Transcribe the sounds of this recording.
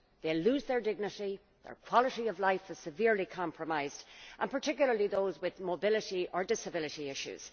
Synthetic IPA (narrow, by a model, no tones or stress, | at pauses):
ðeɪluːzðə˞dɪɡ̚nəɾi | ðə̰˞kʰw̥ɑləɾiʌvlaɪfɪz̥sɨvɪɹlikʰɑ̃mpʰɹəmaɪzdʔə̃npʰə˞tʰɪkjʊl̩ˠə˞liðoʊzwɪðmobɪləɾiə˞dɪsəbɪləɾiɪʃʉ̰z̥